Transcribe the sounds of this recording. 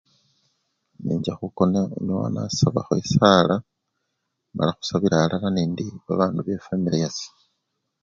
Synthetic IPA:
niɲɟaxuko̞naḛɲuwa̰na̰saβa̰xoesala | ma̰laxu̥saβiɾaːlalaniːndiβaβaːnduβe̞femilejasi̥

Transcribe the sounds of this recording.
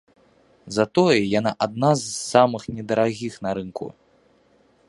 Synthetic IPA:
zɐt̪ɔjɛjan̪aʔad̪̚nazsːamɨxnʲɛd̪ɐɾaɣʲixnɐɾɨnkṵ

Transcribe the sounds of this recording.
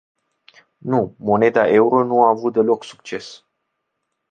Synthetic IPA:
numo̞ne̞d̪aʔe̞uɾo̞nuaːvut̪̚d̪e̞lo̞ksu̥k̚t͡ʃe̞s

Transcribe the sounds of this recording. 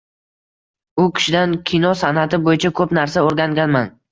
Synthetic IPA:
ʊkʲʰɪ̥ʃɪd̪ankʲʰinɒsanat̪ʰɪbojɪt͡ʃʰakʰɵpnaɾsaoɾɡʲaŋɡʲanman

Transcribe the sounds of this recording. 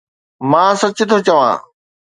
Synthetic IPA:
mãːsɐt͡ɕɪt̪ʰot͡ɕɐʋã̰ː

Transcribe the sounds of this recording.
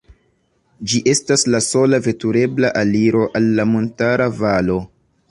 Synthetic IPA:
d͡ʒiʔe̞staslaso̞lave̞tuɾe̞blaʔaliɾo̞ʔalːamontaɾavalo̞

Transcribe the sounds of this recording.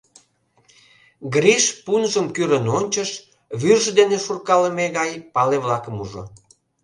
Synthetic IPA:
ɡriʃpunʒəmkyɾənonʲt͡ɕəʃ | βyrʒəd̪eneʃurkɑləmeɣɑjpɑleβlɑkəmuʒo̰

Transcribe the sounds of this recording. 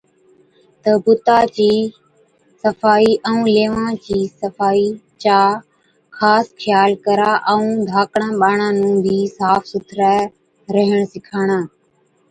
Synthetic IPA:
t̪əbʊt̪aːt͡ʃiː | səfaːiːʔə̃ũːleːʋãːt͡ɕiːsəfaːiːt͡ʃaː | xaːskʰɪjaːlkəɾaːʔəũːd̪ʱaːkɳ̃ãːɓaːɳãːnũːbʱiːsaːfʰsʊt̪ʰɾaː | ɾəɦəɳ̃sɪkʰaːɽ̃aː

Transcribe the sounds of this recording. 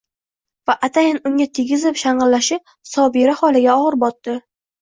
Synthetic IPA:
vaʔat̪ʰajɪnʊŋʲat̪ʰeɡʲɪzɪpʃaɴʁɨlːaʃɪp̚ | sɒbeɾahɒlˠɪɡʲaɒʁɨɾbɒt̪ːɪ

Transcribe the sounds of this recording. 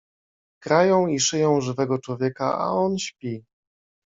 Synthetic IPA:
kɾajɔ̃w̃iʂɘjɔ̃w̃ʐɘvɛɡɔt͡ʂwɔvʲjɛka̰a̰ɔnɕpʲi

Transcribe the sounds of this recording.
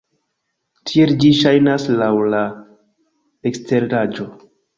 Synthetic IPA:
tʰie̞ld͡ʒiʃajnaslawla | ekstʰe̞ɾɾad͡ʒo̞

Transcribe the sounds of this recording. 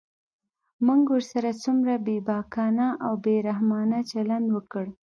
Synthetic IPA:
muŋɡwəɾsaɾat͡sumɾabebɑkɑnaʔawbeɾahmɑnat͡ʃaland̪wəkəɽ

